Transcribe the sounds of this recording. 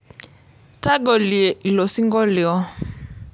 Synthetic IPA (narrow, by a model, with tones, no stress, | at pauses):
ta˦ɡɔ˨li˨ɛ˨i˨lɔ˨si˦ŋɡɔ˦li˨ɔ˦